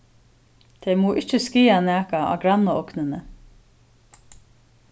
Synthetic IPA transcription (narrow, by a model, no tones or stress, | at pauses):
t̪ʰɛɪmuːʔɪt͡ʃːəskiːanæːkaɑ̰ːɡɾanːəɔknənə